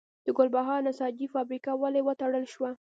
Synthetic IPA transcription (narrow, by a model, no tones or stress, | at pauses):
d̪̥əɡʊlbaɦɑɾnasɑd͡ʒifɑbɾikawalewət̪aɽəlʃwa